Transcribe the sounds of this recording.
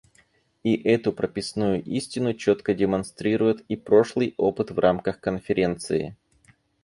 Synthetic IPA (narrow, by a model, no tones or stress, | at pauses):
iʔɛt̪ʊpɾəpʲɪsnujʊʔisʲtʲɪnʊt͡ɕo̞t̪kədʲɪmɐnst̪ɾʲiɾʊjɪt̪ipɾo̞ʂlˠɨjo̞pɨt̪vrʔamkəxkənfʲɪɾʲe̞nt̪sɨɪ̰